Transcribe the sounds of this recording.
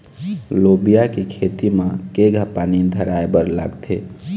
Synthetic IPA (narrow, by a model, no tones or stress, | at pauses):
lobijakekʰet̪imãkeɡʱəpanid̪ʱəɾajbəɾla̰ɡt̪ʰe